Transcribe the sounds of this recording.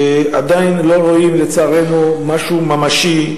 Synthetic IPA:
ad̪ainlo̞ʁo̞imle̞t͡saːʁe̞numaʃumamaʃi

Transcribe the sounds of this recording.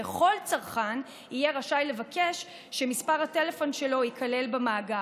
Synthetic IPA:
eχo̞lt͡saʁχan | ijeʁaʃajle̞vakʰe̞ʃ | ʃe̞mispaʁhate̞le̞fo̞nʃe̞lo̞ikʰale̞lbamaːɡa

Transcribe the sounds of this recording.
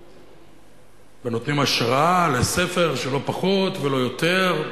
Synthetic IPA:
veno̞t̪nimaʃʁaale̞se̞fe̞ʁʃelo̞paχo̞t̪velo̞jo̞t̪e̞ʁ

